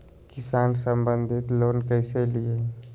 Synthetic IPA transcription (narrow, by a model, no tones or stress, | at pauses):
kɪsaːnsəmbə̃nd̪ʱɪt̪loːnkəɪselie